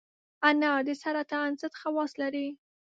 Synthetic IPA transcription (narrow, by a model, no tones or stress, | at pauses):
anad̪ɪsaɾat̪aːnsət̪xawɑslaɾi